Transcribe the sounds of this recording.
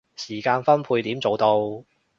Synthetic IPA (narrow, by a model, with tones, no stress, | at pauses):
siː˨˩kaː˧nfɐ˥npʰuː˧jt̪iː˨˥mt͡so˨wt̪o˧w